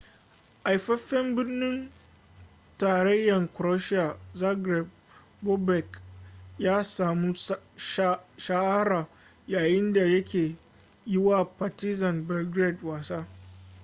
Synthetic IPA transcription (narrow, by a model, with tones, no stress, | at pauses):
ʔa˨jɸɐ˦ɸːɛ˦mbɪ˦rnɪ˦n | taː˨ɾɐ˦jːɐ˨ŋkʷʊ˨ɾo˦ʃɪ˦a˨za˦ɡɾɛ˨b̚ | bo˦bɛ˨kjaː˦saː˨mu˦ | ʃa˦ʔa˦ɾaː˨ | jaː˨jɪ˦nda˨jɐ˦kʲeː˨ | jɪ˦waː˦paː˨tɪ˦zɐ˨nbɛ˨lɡɾe˦˨dwaː˨saː˦